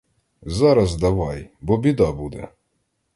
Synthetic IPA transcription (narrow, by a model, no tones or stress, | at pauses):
zɑɾɐzd̪ɐʋɑjbɔbʲid̪ɑbud̪ɛ̰